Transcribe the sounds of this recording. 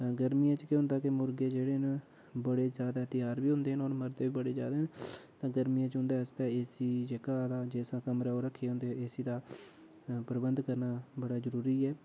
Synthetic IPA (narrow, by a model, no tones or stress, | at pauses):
aɡəɾmijãːt͡ʃkeɦʊ̃nd̪aːkɪmʊɾɡeːd͡ʒeːɽeːn | bəɽeːzjaːd̪aːt̪jaːɾbiːɦʊ̃nd̪eːɦənoːɾməɾd̪eːʋiːbəɽeːd͡ʒaːd̪eːɦənt̪ãːɡəɾmijãːt͡ʃɦʊ̃nd̪aːst̪aːɪsiːd͡ʒekaːd̪aːd͡ʒeːsãːkəmɾaːoːɾəkʰːeːɦʊ̃nd̪eɪsiːd̪aː | pəɾəbənd̪kəɾnaːbəɽaːzəɾuːɾiːɛː